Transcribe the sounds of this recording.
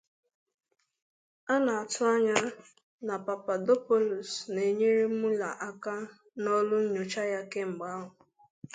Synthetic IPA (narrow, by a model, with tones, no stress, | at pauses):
a˦na˨a˨tʊ˦a˦ɲa˦ | na˨pa˨pa˨do˦po˦lu˨sne˨ɲe˦ɾe˦u˦la˨ʔa˦ka˦ | nɔ˦lʊ˦ɲ̩˦ɲo˨t͡ʃa˦ja˦ke˦ŋ͡m̩˨ɡ͡ba˨˦ɦʊ˨